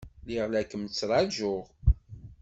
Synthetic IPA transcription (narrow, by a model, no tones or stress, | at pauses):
liʁlækəmt͡sːɾˤɑʒʊʁ